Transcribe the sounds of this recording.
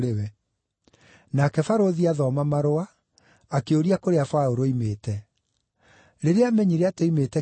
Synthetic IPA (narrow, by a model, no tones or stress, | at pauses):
ewɛ | nakɛfaɾoðiaðɔːmamaɾoaː | keoɾiakoɾeafaoɾoimeːtɛ | ɾeɾeamɛɲiɾeatoimetɛ